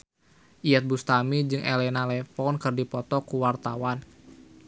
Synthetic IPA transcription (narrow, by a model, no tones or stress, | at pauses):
ʔijat̪̚bust̪amid͡ʒɨŋʔɛlɛnalɛfɔnkɨrdipɔt̪ɔkuwart̪awan